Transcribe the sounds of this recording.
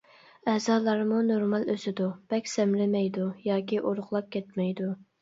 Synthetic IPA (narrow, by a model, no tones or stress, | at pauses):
ɛzɑːlˠɑɾmunoɾmɑlˠøsɪd̪ub̥ɛkʲsɛmlɪmɛjd̪ujɑːkʲiʔoɾʊχlˠɑp̚kʲʰɛt̪̚mɛjd̪u